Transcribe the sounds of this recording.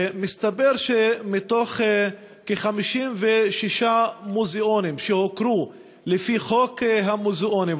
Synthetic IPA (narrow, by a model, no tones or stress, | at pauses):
mist̪abeʁʃemit̪o̞χ | keχamiʃimveʃiʃamuzeo̞nimʃehokɾu | lefiχo̞kɦamuzeʔo̞nim